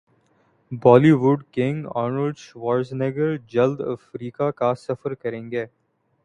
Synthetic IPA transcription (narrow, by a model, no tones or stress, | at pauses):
bɔːliʋʊɖkɪ̃ŋɡa̰ːɾnəlɖʃʋaːɾzneɡəɾd͡ʒɐld̪ə̰fɾiːkakasɐfəɾkɐɾẽːŋɡeː